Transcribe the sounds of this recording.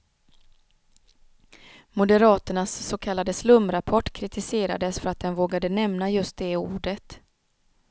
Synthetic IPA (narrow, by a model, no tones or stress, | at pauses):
mʊd̪əɾɑːt̪əɳasːokʰalːad̪əslɵmɾapʰɔʈːkʰɾɪt̪ʰɪseːɾa̰d̪əsfœɾat̪̚d̪ɛnvoːɡad̪ənɛmnajɵst̪̚d̪ɛuːɖət̪